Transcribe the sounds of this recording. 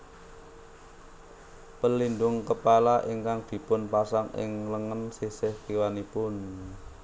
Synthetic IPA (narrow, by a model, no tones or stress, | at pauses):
pəlinɖ̪ʊŋkəpalaʔiŋkaŋd̪̥i̤pʊnpasaŋʔɪ̰ŋləŋənsisɪht̪iwanipʊn